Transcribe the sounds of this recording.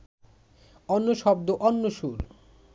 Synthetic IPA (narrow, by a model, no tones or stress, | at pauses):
ɔnːoʃɔbd̪oʔɔnːoʃuɾ